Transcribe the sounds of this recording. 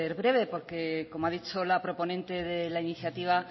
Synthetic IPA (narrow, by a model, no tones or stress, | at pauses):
eɾβɾe̞βepo̞ɾkeko̞moaðit͡ʃolapɾo̞po̞nẽnt̪e̞ðelainiθjat̪iβ̞a